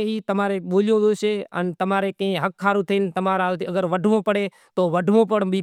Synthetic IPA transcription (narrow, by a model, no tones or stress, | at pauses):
ɦiːt̪ɐmaːɾeɓoːlijõd̪oːʃeɐ̰nt̪ɐmaːɾekɐ̃ɦɪ̃ɦɐkʰːaːɾũt̪ʰɐɪnɪ̆t̪ɐmaɾaːlt̪iɐɡəɾʋɐɖʱʋõpɐɽe | t̪oːʋɐɖʱʋõpɐɽbi